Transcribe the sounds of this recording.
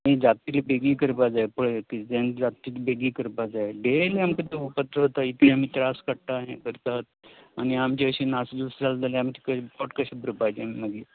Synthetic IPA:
miːd͡zat̪ilibeɡiːkəɾpad͡zaepəɭekid͡zend͡zat̪iːlbeɡiːkəɾpad͡zaeɖeleamkət̪eupət̪ɾəɦot̪ait̪ẽam̤iːt̪ɾaskəɽʈ̪aɦḛ̃kəɾt̪at̪̚añiamt͡ɕeəɕinasd̪usd͡zald͡zaleamt͡ɕi̥kəpɔʈkəɕbɾəpajt̪eamiməɡiː

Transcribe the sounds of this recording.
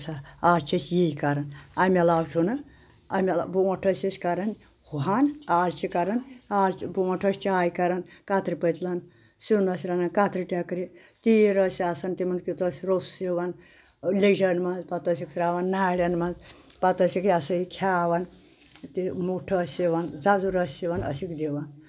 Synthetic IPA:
saaːɾt͡ʃʰisjiikɐɾɐnɐmʲɐlaːwt͡ʃʰunɨ | ɐmʲɐlbuɐʈʰɐsisʲkɐɾɐnʲ | huɦanaːɾt͡ʃʰikɐɾɐnaːɾt͡ʃibuɐʈʰɐsʲt͡ʃʰiaːjkɐɾɐnkat̪ɾipət̪lɐn | sind̪ɐsʲɾanɐnkat̪ɾiʈʲakɾi | t̪iɾɐsaːsɐnt̪imɐnzkit̪ɐsʲɾossiʋɐn | led͡ʒɐnmɐnzpɐt̪ɐs̬iksɾaːʋɐnːaːɽɐnmɐnz | pɐt̪ɐsikasɐikʲʰaːʋɐn | t̪imuʈʰɐsʲiʋɐnd͡zazuɾɐsʲsiʋɐnɐ̰sikd̪iʋɐn

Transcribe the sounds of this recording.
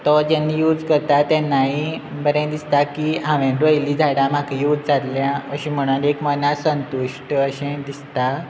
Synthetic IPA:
t̪ɔd͡ʑanːiːjud͡zkəɾt̪at̪ɛ̃nːaibəɾẽd̪ist̪akiɦãʋẽɖ̪əjliːd͡zʱaɽãm̤akʰijuːd͡zd͡zalljãəɕĩm̤əɽ̃unekmənasənt̪uʂʈəəɕẽd̪ist̪a

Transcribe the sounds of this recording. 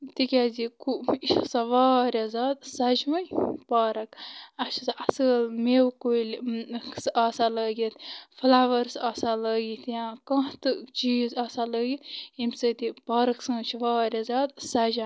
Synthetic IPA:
t̪ikʲaːzikuiʃsaʋaːɾʲazaːd̪̚sɐd͡ʒmɐjpaːɾɐkɐʃʰsʔɐsəːlmewkoilʲsaːsaləːɡit̪fɨlaʋəɾsaːsaləːɡit̪jãːkɐ̃ːht̪ɨt͡ʃiːzaːsaləːɡit̪imʲsət̪ipaːɾɐksɨ̃ːt͡ʃʰʋaːɾʲazʲaːd̪sɐd͡ʒã

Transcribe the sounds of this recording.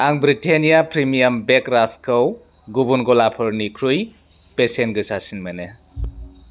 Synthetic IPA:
aŋbɾitenijapʰɾimijambekɾaskʰaw | ɡubunɡɔlapʰɯɾnikʰɾuj | pesenɡɯsasinmene

